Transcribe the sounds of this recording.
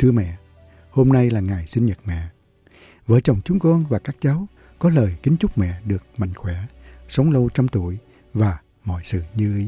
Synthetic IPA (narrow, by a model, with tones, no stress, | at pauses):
t̪ʰɨ˧əmɛ̰˧˨ | ho˧mna˧jlaː˨˩ŋaː˨˩jsï˧nɲə˨˩t̚mɛ̰˧˨ | vəː˨˦jt͡ɕa˨˩wŋ͡mt͡ɕʊ˨˦ŋ͡mkɔ˧nvaː˨˩kaː˦˥k̚t͡ɕa˨˦w | kɔ˨˦ləː˨˩jkï˨˦ŋ̟t͡ɕʊ˦˥k͡p̚mɛ̰˧˨ɗɨ˨˩ək̚ma̰˧˨jŋ̟xwɛ˧˩sə˨˦wŋ͡mlə˧wt͡ɕa˧mt̪u˧˩əj | vaː˨˩ | mɔ̰˧˨jsɨ̰˧˨ɲɨ˧ʔi˨˦